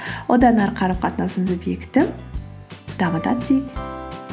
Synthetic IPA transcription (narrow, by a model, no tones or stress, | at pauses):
wod̪ɑnɑɾqʰɑɾɑp̚qʰɑt̪nɑsəmzobjekt̪ɪ | d̪̥ɑməd̪ɑ̰t̪sek